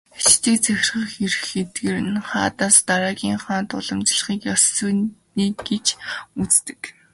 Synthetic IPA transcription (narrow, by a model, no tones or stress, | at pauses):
t͡ɕt̪ʰeːkt͡sʰæxʲɪ̆rχə̆χeɾ̆xet̪ɡeːɾɘ̆nχa̰ːt̪aːst̪aɾaːɣʲiːŋχaːnt̪ʊ̰ɮə̆mt͡ɕɪ̆ɮχiːkjasːuːniːɡet͡ɕut͡st̪ɘ̥̆k